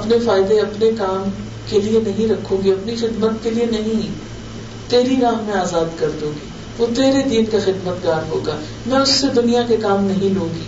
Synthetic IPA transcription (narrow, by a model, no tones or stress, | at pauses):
ɐpnefaːɪd̪eɐpnekaːm | kelienɐɦĩɾɐkʰõːɡiɐpnixɪd̪mət̪kelienɐɦĩ | t̪eːɾiɾaːɦmẽaːzaːd̪kɐɾd̪õːɡiː | ʋoːt̪eːɾed̪iːnkaxɪd̪mət̪ɡaːɾɦoːɡaː | mɛ̃ːʊsːed̪ʊnijakekaːmnɐɦĩlũːɡiː